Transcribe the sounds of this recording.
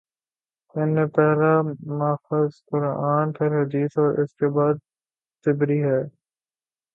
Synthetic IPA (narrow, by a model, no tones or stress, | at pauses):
ɪnmẽpɛɦlamaːfəzkʊɾaːnpʰɪɾɦɐd̪iːsɔːɾʔɪ̰skebaːd̪̚ | sɪbɾiɦɛː